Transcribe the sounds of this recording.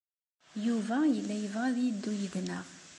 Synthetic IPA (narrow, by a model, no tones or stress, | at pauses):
juvæjəlːæjəvʁæðid̪ːujəðnəʁ